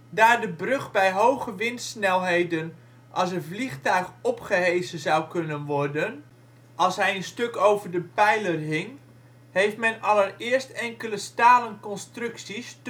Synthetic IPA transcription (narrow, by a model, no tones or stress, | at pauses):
daːrdəbrøχbɛjɦowɣəʋɪntsnɛlˠɦejdən | ʔɑsənvliχtœɥxɔpχəɦejzənzawkønənʋɔrdən | ʔɑlˠsɦɛjənstøkowvərdəpɛjlərɦɪŋ | hejftmɛnɑlərɪərstɛŋkələstaːlənkɔnstrʏksis